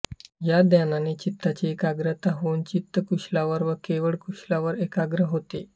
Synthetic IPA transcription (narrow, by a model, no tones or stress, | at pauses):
jad̪jananet͡ɕit̪ːat͡ɕeekaɡɾət̪aɦont͡ɕit̪ːəkuɕlaʋəɾʋəkeʋəɭkuɕlaʋəɾekaɡɾəɦot̪e